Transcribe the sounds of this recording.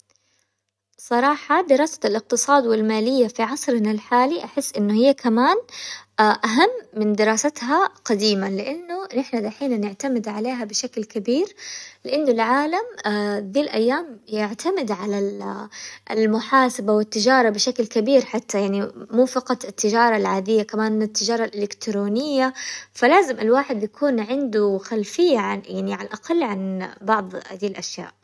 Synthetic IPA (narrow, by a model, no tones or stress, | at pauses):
sˤɑɾˤɑːħɑd̪ɪɾˤɑːsḁlʔɪq̚t̪ɨsˤɑːd̪wɪlmaːlɪjːafiʕɑsˤɾnalħaːliʔaħɪsːʔɪnːʊhɪjːakamaːnʔaʔaɦamːɪnd̪ɪɾˤɑːsat̪ɦaqad̪iːmalɪʔanːʊnɪħnad̪aħiːnanɪʕt̪amɪd̪ʕaleːɦabɪʃaklkabiːɾlɪʔɪnːʊlʕaːlamaðiːlʔajːaːmjɪʕt̪ʰamɪd̪ʕala | ɪ̰lmʊħaːsabawɪt̪ːɪd͡ʒɑːɾˤɑbɪʃaklkɪbiːɾħat̪ːajaʕnimuːfɑqɑt̪ˤɪt̪ːɪd͡ʒɑːɾˤɑlʕaːd̪ɪjːakamaːnɪt̪ːɪd͡ʒɑːɾˤɑlʔɪlɪkt̪ɾoːnɪjːafalaːzɪmʔɪlwaːħɪd̪jakʰuːnʕɪnd̪ʊxalfɪjːaʕjaʕniʕalʔaqɑlːʕanbɑʕðˤd̪iːlʔaʃja̰ːʔ